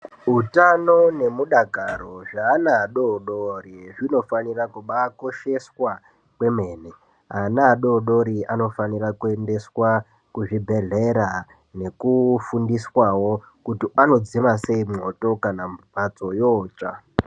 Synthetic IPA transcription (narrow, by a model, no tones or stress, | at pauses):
ɦutano̞ne̞muɗaɡʱaɾo̞ʐaːnaːɗoɗoriʐino̞fanirakuɓako̞ʃe̞swa | kwe̞me̞ːne | anaːɗo̞ɗo̞ɾiano̞fanirakue̞nde̞swa | kuʐibʱe̞ɮe̞ɾa | ne̞kufundiswawo̞ | kutiano̞d͡zimase̞imŋo̞to̞kanampat͡so̞joːt͡ʃa